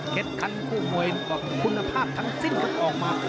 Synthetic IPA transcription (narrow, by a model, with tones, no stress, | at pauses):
he˨˦t̪̚kʰa˧nkʰuː˥˩mu˧˩ə˨jɔː˧˩kʰu˧nːa˧pʰaː˥˩p̚t̪ʰa˦˥ŋsi˥˨nma˧˥˩ʔɔː˨˩k̚maː˧